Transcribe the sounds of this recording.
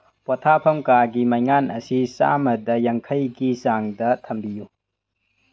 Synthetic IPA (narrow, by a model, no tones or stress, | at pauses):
pɔtʰapʰɐmkaɡimɐjŋanʔɐ̰sisa̰mɐdɐjɐŋkʰɐjɡisaŋdɐt̪ʰɐmbiju